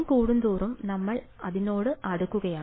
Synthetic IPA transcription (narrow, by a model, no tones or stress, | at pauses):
mkuːɽund̪uːrumnɐmːɐɭ | ɐðino̞ːɽɨʔɐɽukːuɣɐjaː